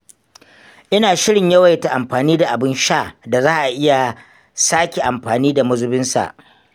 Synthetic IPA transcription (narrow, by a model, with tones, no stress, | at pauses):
ʔɪ˦naː˨ʃɪ˦ɽɪ˨ɲjɐ˦wɐ˨jta˨ʔa˨mɸaː˨niː˦da˨ʔa˨bɪ˦nʃaː˦˨da˨zaː˦ʔa˨ʔɪ˦ja˨ | saː˦kʲe˨ʔa˨mɸaː˨niː˦da˨mʊ˦zʊ˦bɪ˦nsa̰˨ʔ